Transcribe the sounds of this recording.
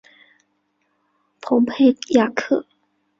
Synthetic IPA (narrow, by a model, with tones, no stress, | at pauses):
pʰʊ˧˥ŋpʰe˥˩ɪja˥˩kʰɤ˥˩